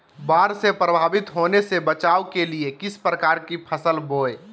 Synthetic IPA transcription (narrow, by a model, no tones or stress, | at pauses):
baɾsepɾəbʱabit̪ɦonesebət͡ʃaukeliekispɾəkaɾkipʰəsəlboe